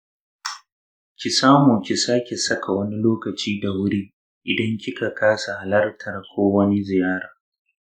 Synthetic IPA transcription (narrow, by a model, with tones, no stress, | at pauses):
kʲi˨saː˦moː˨kʲi˨saː˦kʲe˨sɐ˦kʰa˨wɐ˦ni˦loː˦kɐ˨t͡ʃiː˦da˨wʊ˦ɽiː˦ | ʔɪ˨dɐ˦ŋkʲɪ˦ka˨kʰaː˦sa˨ha˨lɐ˦rtʰɐ˨rkʷʰoː˦wɐ˦ni˦zɪ˨jaː˦ɽaː˨